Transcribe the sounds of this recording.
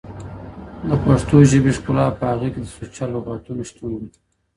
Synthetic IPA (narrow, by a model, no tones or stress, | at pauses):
d̪əpaʂt̪oʒɪbeʂkulɑpəhaɣeked̪əsut͡ʃaloɣaʈ̪unoʃt̪und̪i